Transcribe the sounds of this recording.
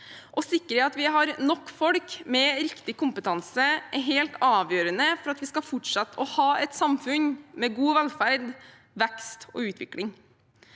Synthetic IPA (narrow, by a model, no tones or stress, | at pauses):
ʔɔsɪkːəɾɛɑt̪ʋɪɦɑɾnɔkːfɔɽkmɛɾɪkt̪ɪkʊmpət̪ʰɑnsəʔɛɾɦeːlt̪ɑːʋjøːɾənəfɔɾɑt̪ʋɪskɑfʊʈʂɑt̪ːɔhɑːɛt̪sɑmfʉnmɛɡuːʋɛlfæɾd̪ | ʋɛkst̪ɔ̰ʉːt̪ʰʋɪ̰klɪŋ